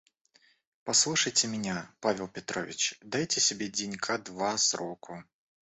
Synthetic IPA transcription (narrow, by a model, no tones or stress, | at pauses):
pɐslˠuʂəjtʲɪmʲɪnʲapavʲɪlˠpʲɪt̪ɾo̰vʲɪ̰t͡ɕd̪ajtʲɪsʲɪbʲedʲɪnʲkʰad̪vasɾokʰʊ